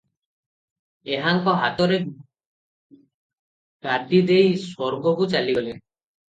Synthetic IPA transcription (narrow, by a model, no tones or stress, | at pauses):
eɦaŋkɔɦat̪ɔɾe | ɡad̪id̪ejswɔɾɡɔkut͡ʃaliɡɔle